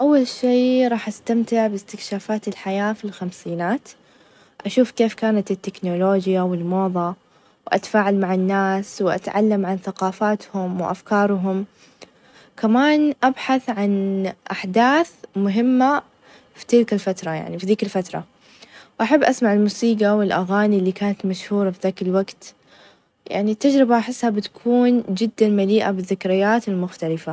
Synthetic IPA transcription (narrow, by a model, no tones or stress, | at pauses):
ʔawːalʃeːɾˤɑːħʔast̪amt̪ɪʕbɪst̪ɪkʃaːfaːt̪ɪlħajaːfilxamsiːnaːt̪ | ʔaʃuːfkeːfkaːnat̪ɪt̪ːɪknoloːd͡ʒjawɪlmoːðˤɑ | wʔa̰t̪ḁfaːʕalmaʕɪnːaːswɪʔa̰t̪ʕa̰lːamʕanθaqɑːfaːt̪hʊmwɪʔa̰fkɑːɾˤɦʊm | kamaːnʔabħaθʕanʔaħd̪aːθmʊɦɪmːa | fi̥t̪ɪlkalfat̪ɾˤɑja̰ʕnifiðiːkalfat̪ɾˤɑ̰ | wʔaħabːʔasmaʕɪlmuːsiːɡawɪlʔaɣaːnilːiːkaːnat̪maʃhuːɾˤɑfiðaːkɪlwaɡt̪ | ja̰ʕnit̪ːad͡ʒɾɪbaʔaħɪsːhabɪt̪ḁkʰuːnd͡ʒɪd̪ːanmaliːʔabɪðːɪkɾɪjːaːt̪ɪlmʊxt̪alɪfa